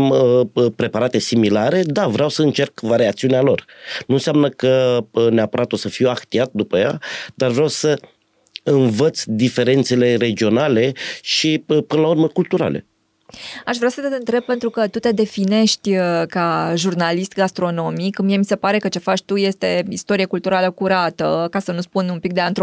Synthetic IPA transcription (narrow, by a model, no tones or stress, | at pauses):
mpɾe̞paɾat̪e̞similaɾe̞d̪avɾeawsəɨnt͡ʃe̞rkvaɾeak̚t̪siunealo̞rnuɨnsjamnəkəneapəɾat̪o̞səfiwakt̪iat̪̚d̪upəːja̰d̪arvɾeawsə | ɨnvət̪sʲd̪ife̞ɾe̞nt̪se̞le̞ɾe̞d͡ʒio̞nale̞ʃipɨnəlaurməkult̪uɾa̰le̞̰ | aʃvɾeawsət̪eɨnt̪ɾe̞b̚pe̞nt̪ɾukət̪ut̪e̞d̪e̞fine̞ʃt̪ʲkaʒurnalist̪ɡast̪ɾo̞no̞mikɨmijemise̞paɾe̞kət͡ʃe̞fat͡ʃʲt̪uje̞st̪e̞ist̪o̞ɾiekult̪uɾaləkuɾat̪əkasənuspunumpik̚d̪eant̪ɾ